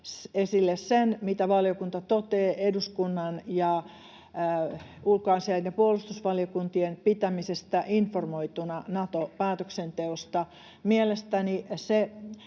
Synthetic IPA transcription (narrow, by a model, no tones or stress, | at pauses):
sesilːessenmit̪æʋɑljokunt̪ɑt̪ot̪eːʔeduskunːɑnjɑ | ulkoɑiseidepuolust̪usʋɑliokunt̪ienpit̪æmisest̪æʔinformoit̪unɑnɑt̪opæːt̪øksent̪eost̪ɑ | mielest̪ænise